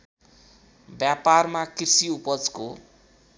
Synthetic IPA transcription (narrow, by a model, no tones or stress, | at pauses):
bjaparmakirsiupʌd͡zko